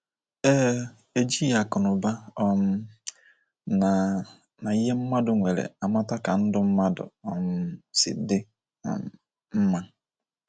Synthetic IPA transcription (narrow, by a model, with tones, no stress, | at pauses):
e˦ | e˦d͡ʒi˦ja˨kʊ˨nʊ˨ba˦ɔ˦m̩˦ | na˨ | na˨i˦ɦe˦m̩˦ma˦dʊ˨ŋʷe˨ɾḛ˨a˨ma˦ta˦ka˨n̩˦dʊ˦m̩˦ma˦dʊ̰˨ɔ˨m̩˦sɪ̰˨dɪ̰˦˨ | m̩˦ma˦